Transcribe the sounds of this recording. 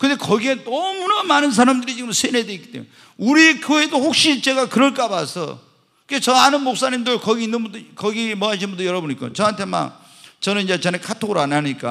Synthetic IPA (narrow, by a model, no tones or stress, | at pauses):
kɯnde̞kʌɡiedʌmunamanɯns̬ʰaɾamdɯɾit͡ɕiɡɯmsʰenɦedweik͈i̥t͈emj | uɾiekjoe̞dohok̚ɕ͈it͡ɕe̞ɡakɯɾʌɭk͈abasʰʌ̰ | kɯket͡ɕʌanɯnmok̚s͈aɲimdɯɭkʌɡiinːɯnbudkʌɡimʌɦaɕ̬ʰinbundɯjʌɾʌboɲik͈a̰t͡ɕʌɦantʰe̞ma̰ | t͡ɕʌnɯniɲd͡ʑe̞t͡ɕenekʰatʰoɡɯɾanːaɲik͈a̰